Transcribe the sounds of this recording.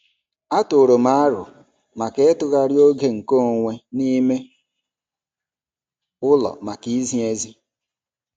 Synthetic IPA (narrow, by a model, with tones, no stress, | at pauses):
a˦tʊ˨ɾo˨ma˦ɾʊ̰˨ | ma˨ke˦e˦tʊ˦ɣa˦ɾjo˦ɡe˦ŋ̩˨ko˦˨ŋʷe˦ni˦me˦ | ʊ˦lɔ̰˨ma˨ki˦zi˦e˦zi˦